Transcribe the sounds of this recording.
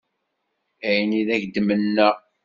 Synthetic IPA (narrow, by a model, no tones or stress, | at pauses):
æjəniðæçd̪ːmənːə